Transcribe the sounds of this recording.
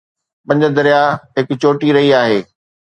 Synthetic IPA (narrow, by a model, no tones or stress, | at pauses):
pɐ̃ɲ̆d͡ʑəd̪ɐɾijaɦɪkʊt͡ɕoːʈiɾɐɦiaːɦeː